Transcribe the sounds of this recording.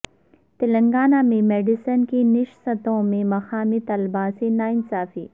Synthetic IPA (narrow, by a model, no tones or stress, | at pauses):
t̪ɪlɐŋɡaːnamẽmeːɖisɐnkinɪʃsɐt̪õmẽmɐxaːmit̪ɐlbaːsenaːinsaːfi